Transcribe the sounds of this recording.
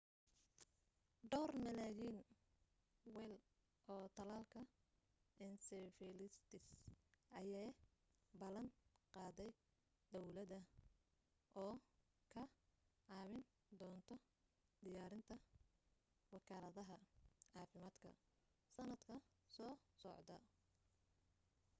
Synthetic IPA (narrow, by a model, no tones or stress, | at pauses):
ɖɔːrmɐlɛjiːn | wɛl | ʔɔːt̪ʰɐlaːlkʰɐ | ʔɛnsɛfɛlɪst̪ʰɪsʔɐjɛ | bɐlɐnqɑːðɛj | d̪ɔwlɐðɐ | ʔɔː | kʰɐʕɑːβɪn | d̪ɔːnt̪ʰɔ | d̪ɪjaːɾɪnt̪ʰɐ | wɑkʰaːlɐðɐɦɐɑːfɪmaːd̪kʰɐ̰ | sɐnɐd̪kʰɐsɔːsɔ̰ʕd̪ɐ̰